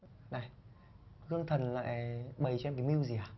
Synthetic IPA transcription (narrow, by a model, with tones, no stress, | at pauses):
na˨˩j | hɨ˧əŋt̪ʰə˨˩nla̰ː˧˨jɓə˨˩jt͡ɕɛ˧mkaː˨˦mi˧wzi˨˩˨aː˨˩